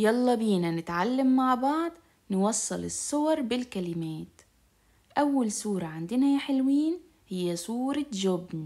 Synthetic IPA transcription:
jɑlˤːɑbiːnanɪt̪ʕalːamːaʕbɑʕd̪ˤ | nwɑsˤːɨlɪsˤːʊwɑɾˤbɪlkalɪmeːt̪ | ʔawːalsuːɾˤɑʕɪnd̪ɪnajħɪlwiːn | hɪjːasˤuːɾˤɑʒʊbn

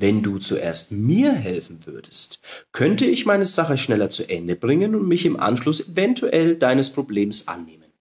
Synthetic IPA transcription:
vɛnduːt͡suʔḛːɐstmiːɐɦɛlfn̩vʏɐdəstkʰœntəɪçmaɪnəz̥aχəʃnɛlɐt͡suʔɛndəbʁɪŋənʊntmɪçɪmʔa̰nʃlʊsevɛntʰuʔɛldaɪnəspʁ̥obleːmsʔa̰nːeːmən

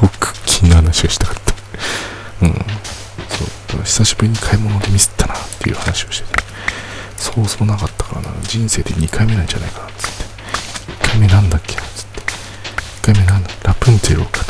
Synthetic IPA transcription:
okʰɯ̥kʲːʰiːnahanaɕioɕi̥t̪akat̪ːḁ | ɯ̟̰̃ɴ | so̞̰ːd̪̥akaçʲi̥saɕibɯ̟ɾʲiɲ̟ikʰaimo̞nod̪e̞mʲisɨ̥t̪ːanat̪ːe̞jɯ̟̰ːhanaɕio̞ɕi̥t̪et̪a | soːsoːnakat̪ːḁkaɾa̰na̰d͡ʑĩɰ̃se̞ːd̪e̞ɲ̟ikʰaime̞nãiɲ̟d͡ʑa̰na̰ikanat͡sɨ̥t̪ːe̥ | ikːaime̞nãnd̪akːe̞nat͡sɨ̥t̪ːe̥ | i̥kːaime̞nãnd̪aɾapɯ̟̃nt̪ḛɾo̰kḁ

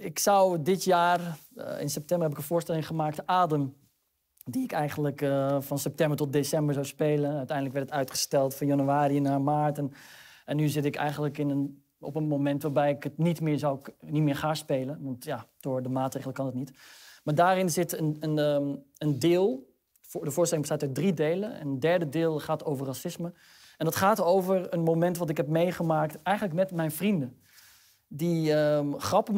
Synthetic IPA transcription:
ɪksʌwdɪtjaːr̰ɪ̰nsɛp̚tɛmbəɹɦɛp̬ɪkə̃nvʊːstɛlɪŋχəmaːk̚təʔaːdəm | diɪkɛjχəndləkfɑnsɛp̚tɛmbəɹtɔt̚desɛmbəɹzawspejlənœɥtɛjndələkʋɛɹtətœɥtχə̥stɛlˠtfɑnjɑnyaːɾinaːmaːɹtən | ɛnːyzɪtɪkɛ̰jχəndələkɪnən | ɔ̰pənmomɛntʋaːɹbɛjɪkətnitmɪːɹzawnitmɪːɹχaːspejlənʋɑntjad̥ʊːɹdəmaːtrejχələkɑnətnitmaːɹdaːɾɪnzɪtənənəəndɪːlˠ | dəvʊːɹstɛlɪŋbəstaːtœdridejləɛ̰nəndɛɹdədɪːlˠχaːtowvərːasɪsmə | ɛndɑtχaːtowvəɹənmowmɛntʋɑtɪkɦɛp̚mejχəmaːk̚tɛjχənləkmɛtmɛjnvrində | diəχrɑpə

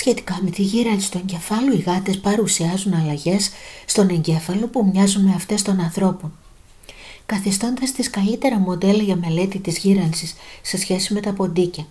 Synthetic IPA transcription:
sçe̞t̪i̥kɐme̞t̪iʝiɾɐnsi̥st̪ue̞ɲɟe̞fɐloiɣɐt̪e̞spɐɾusiɐzunɐlɐʝe̞sːt̪o̞ne̞ɲɟe̞fɐlo̞pumɲɐzuneɐft̪e̞st̪o̞nɐnθɾo̞pon | kɐθist̪o̞nd̪ɐst̪iskɐlit̪e̞ɾɐmo̞d̪e̞lɐʝɐme̞le̞t̪it̪izʝiɾɐnsisse̞sçe̞sime̞t̪ɐpo̞nd̪icɐ

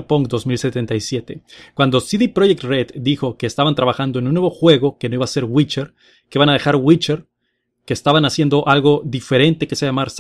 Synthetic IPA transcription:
poŋkd̪o̞zmilse̞t̪e̞nt̪ajsje̞t̪e̞kwand̪o̞siðipɾoʝek̚t̪ret̪d̪ixo̞ke̞ːst̪aβant̪ɾaβaxand̪o̞e̞nunːweβo̞xwe̞ɣo̞ke̞no̞iβase̞ɾwit͡ʃeɾ | keiβanaðe̞xaɾɣwit͡ʃeɾ | ke̞ːst̪aβanasje̞nd̪o̞ʔalɣo̞ðife̞ɾe̞nt̪e̞keseaamaɾs

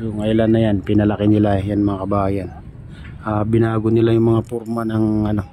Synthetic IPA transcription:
jʊŋɐʔɪlanːɐjanpɪnɐlɐkɪnɪlajanmɐŋakɐbaːjɐn | ʔaːbɪnaːɡonɪlajʊŋmɐŋapoɾmɐnɐŋʔɐno̞

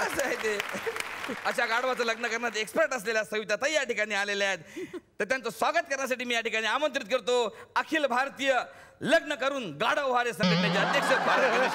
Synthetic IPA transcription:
əsəaɦjet̪e | əɕaɡaɽʋat͡sələɡnəkəɾnat̪ekspəɾʈəs̬leljasəʋit̪at̪əjaʈikaɽ̃iːaleljat̪t̪ːəɾt̪jant͡səsʋaɡət̪̚kəɾnjas̬aʈiːmiːjaʈikaɽ̃iːamənt̪ɾit̪̚kəɾt̪oəkʰiːlbʱaɾt̪iːjə | ləɡnəkəɾuːnɡaɽəʋɦaɾesə̃ŋɡet̪mjat͡ɕaəd̪jəkʂət͡sbʱaɾkəɾ

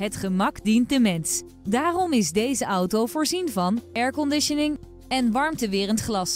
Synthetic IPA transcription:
ɦətχəmɑkdint̚dəmɛns | daːrɔmɪzdejzəʔʌwtowvʊːɹzinvɑnɛɹkɔndɪʃənɪŋ | ɛnʋɑɹmtəʋɪːrəntχlɑs

